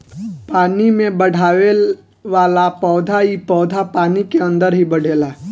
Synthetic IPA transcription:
paːnimẽbɐɽ̤ʱaːʋe | ʋaːlapɔːd̪ʱaipɔːd̪ʱapaːnikeɐ̃nd̪əɾɦibɐɽ̤ʱeːlaː

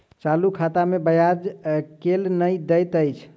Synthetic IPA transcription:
t͡ʃalukʰat̪amebəjad͡ʒkelnəjd̪əjt̪əjt͡ʃʰ

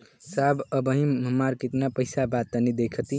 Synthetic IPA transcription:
sabəbəɦĩəmaɾkit̪napəjsabat̪ːənid̪ekʰət̪i

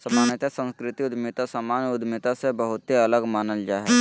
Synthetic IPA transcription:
sɐmaːnjət̪esə̃nskɾɪt̪iʊd̪mɪt̪asamaːnjʊd̪mɪt̪asebəɦʊt̪ɦiɐləɡmaːnəld͡ʒaːɦɛ

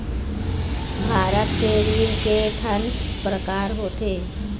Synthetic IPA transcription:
bʱaːɾət̪keɾiːnkeʈʰənpɾəkaːɾɦoːt̪eː

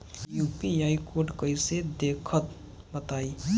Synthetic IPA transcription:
jupiajkoɾɖkəjsed̪ekʰət̪ | bət̪ai

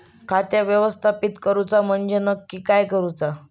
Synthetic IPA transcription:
kʰat̪jaʋjəʋəst̪ʰapit̪kəɾut͡sam̤əɳd͡ʑenəkːiːkajkəɾut͡sa

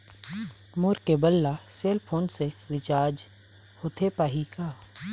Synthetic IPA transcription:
mʊːɾkebəlːaseːlpʰoːnseɾɪt͡ʃaːɾd͡ʒ | hot̪ʰepaːɦikaː

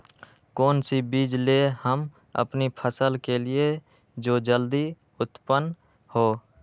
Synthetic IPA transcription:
koːnsibiːd͡ʒlehəm | ə̰pnipʰəsəlkelie | d͡ʒoːd͡ʒəld̪i | ʊt̪pən | hoː

